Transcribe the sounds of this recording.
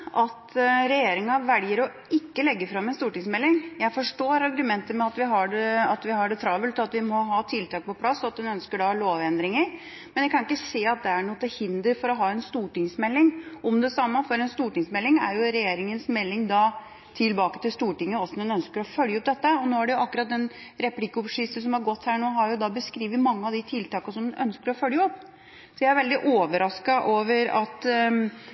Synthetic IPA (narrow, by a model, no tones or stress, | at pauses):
ʔɑt̪ɾɛjeːɾɪŋɑʋɛljəɾɔ | ɪkːəlɛɡːəfɾɑmːɛnst̪uːʈɪŋsmɛlːɪŋjæɪfɔʂʈoːɾɑɾɡʉmɛnt̪əmɛɑt̪ʋɪɦɑɖɛɑt̪ʋɪhɑɖɛt̪ʰɾɑʋəlt̪ɔɑt̪ʋɪmɔɦɑːt̪ʰɪlt̪ʰɑːk̚pɔpʰlɑsːɔɑt̪̚d̪ɛnœnskəɖɑɭoːʋɛnd̪ɾɪŋəɾ | mmɛnjækʰɑnɪkːəseːɑt̪̚d̪ɛæɳuːt̪ɛhɪnd̪əɾfɔɾɔɦɑːɛnst̪uːʈɪŋsmɛlːɪŋʔɔmd̪ɛsɑmːəfɔɾɛnst̪uːʈɪŋsmɛlːɪŋæ̰ɾjʊɾɛjeːɾɪŋənsmɛlːɪŋd̪ɑ | t̪ʰɪlbɑːkət̪ɪlst̪uːʈɪŋːəɔsːɔnɛnœnskəɾɔfœljəɔp̚d̪ɛt̪ːəɔnoːæɖɛjʊʔɑkːʉɾɑt̪̚d̪ɛn | ɾɛplɪkːəɔpʂɪst̪əs̬ɔmhɑɾɡɔt̪ːhæːɳoːɦɑɾjʊd̪ɑbəskɾiːʋəmɑŋːəɑʋd̪ɪt̪ʰɪlt̪ɑːkɑsɔmœ̰nskəɾɔfœljəɔpː | sɔjææɾʋɛld̪ɪʔoːʋəɾɑskɑʔoːʋəɾɑ̰t̪